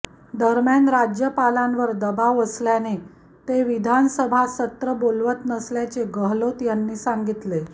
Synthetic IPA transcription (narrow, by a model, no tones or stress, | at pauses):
d̪əɾmjanɾad͡ʑjəpalãnʋəɾd̪əbaʋəsljane | t̪eʋid̪ʱansəbʱasət̪ɾəbolʋət̪nəsljat͡seɡəɦlot̪janːiːsãŋɡit̪le